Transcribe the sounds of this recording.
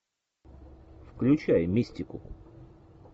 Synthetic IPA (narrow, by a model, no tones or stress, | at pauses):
fklʲʉt͡ɕajmʲisʲtʲɪkʊ̰